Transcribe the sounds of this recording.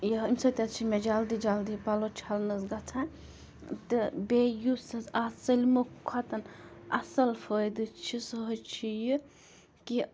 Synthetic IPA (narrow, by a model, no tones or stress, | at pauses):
jɐɦimʲsɐt̪ʲɐt͡ʃʰimed͡ʒaːld̪id͡ʒald̪ipɐlot͡ʃʰalnɨsɡɐt͡sʰã | t̪ɨbejusɐzɐsɐlʲmukʰɐt̪ɐnɐ̰sɐlfojd̪ɨt͡ʃʰisəɦət͡ʃʰiji | ki